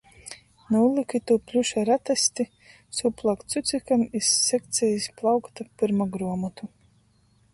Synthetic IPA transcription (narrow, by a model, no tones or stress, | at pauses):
nuːlˠikʲit̪uplʲuʃaɾat̪asʲt̪i | suplˠakt̪sut̪sʲikamisːɛk̚t̪sʲɛjisplˠawkt̪apɨɾmaɡɾuɔmɔt̪u